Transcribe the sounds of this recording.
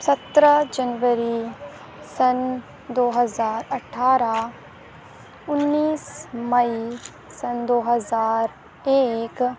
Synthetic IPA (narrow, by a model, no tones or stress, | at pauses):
sɐt̪ɾəd͡ʒɐnʋəɾi | sɐn | d̪oːɦəzaːɾɐʈʰːaːɾa | ʊnːiːsmɐi | sɐnd̪oːɦɐzaːɾ | eːk